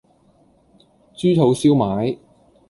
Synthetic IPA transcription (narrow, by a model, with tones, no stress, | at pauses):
t͡syː˥tʰo˨˥wsiː˥wmaː˨˥j